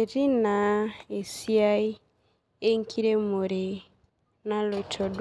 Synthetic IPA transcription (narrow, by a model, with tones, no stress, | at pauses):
e˨ɾi˦na˨e˨si˦a˦i˦ | e˦ŋ̩˦kʰi˦ɾe˦mo˨ɾe˨ | na˦lɔ˨i˨tʰɔ˨dw